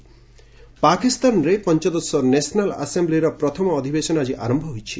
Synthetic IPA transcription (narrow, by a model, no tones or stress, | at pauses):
pakist̪anɾepɔnt͡ʃɔd̪ɔsɔnesɔnala̰sembliɾɔpɾɔt̪ʰɔmɔːd̪ʱibesɔnad͡ʒiʔa̰ɾɔmbʱɔɦojt͡ʃʰi